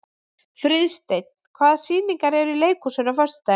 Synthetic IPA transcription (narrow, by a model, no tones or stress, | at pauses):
fɾɪðst̪ejt̪̚nn̥kʰvaːðsiːniŋkaɾɛɾileːjkusɛnafœɾ̥st̪ʏ̥t̪aː